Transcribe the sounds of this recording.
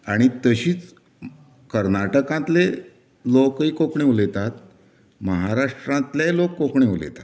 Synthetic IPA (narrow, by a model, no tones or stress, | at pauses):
aɽ̃it̪əɕiːt͡s | kəɾnaʈəkãt̪le | lokikokɳeʋlet̪at̪ | məɦaɾaʂʈɾãnt̪lelokːokɳeʋlḛt̪ḁt̪